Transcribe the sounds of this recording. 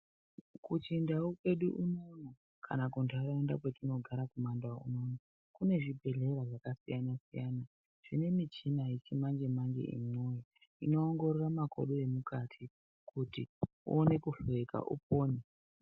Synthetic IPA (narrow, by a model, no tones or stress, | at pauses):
kut͡ʃindaukwe̞ɗuʔuno̞na | kʰa̰nakuntaɾaundakwet͡ʃino̞ɡʱaɾakumandaṵno̞ːna | kune̞ʐibʱe̞ɮe̞ɾaʐakasijanasijana | ʐ̥ine̞mit͡ʃinait͡ʃimand͡ʒe̞mand͡ʒe̞̰ʔḭmojo | ino̞ːŋɡo̞ɾramako̰ɗue̞mukatʰi | kuti | ṵone̞kuɬeka̰ʔṵp̚oːne